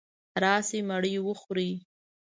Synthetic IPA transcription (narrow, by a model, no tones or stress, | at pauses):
ɾɑsemaɽəjwəxɾi